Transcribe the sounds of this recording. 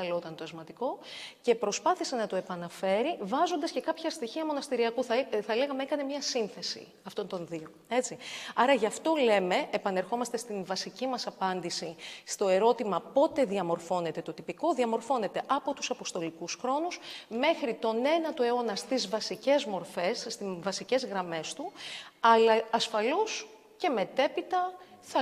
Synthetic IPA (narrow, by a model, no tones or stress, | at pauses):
ɐlot̪ɐnt̪oɐzmɐt̪iko̞ce̞pɾo̞spɐθise̞nɐt̪oe̞pɐnɐfe̞ɾivɐzo̞nd̪ɐsce̞kɐpçɐst̪içiɐmo̞nɐst̪iɾiɐkuθɐθɐle̞ɣɐmeekɐne̞mɲɐsinθe̞sḭ | ɐft̪o̞nt̪o̞nðio̞ | e̞t͡siɐɾɐʝɐft̪o̞le̞me̞ʔːpɐne̞ɾxo̞mɐst̪e̞st̪invɐsicimɐsɐpɐnd̪isist̪o̞e̞ɾo̞t̪imɐpo̞t̪e̞ðiɐmo̞ɾfo̞ne̞t̪e̞t̪o̞t̪ipiko̞ðiɐmo̞ɾfo̞ne̞t̪e̞ʔɐpo̞t̪u̥sɐpo̞st̪o̞likusxɾo̞nusme̞xɾit̪o̞ne̞nɐt̪oeo̞nɐst̪izvɐsice̞zmo̞ɾfe̞sːt̪ivɐsice̞zɣɾɐme̞st̪uɐlɐɐsfɐlos | ce̞me̞t̪e̞pit̪ɐθɐ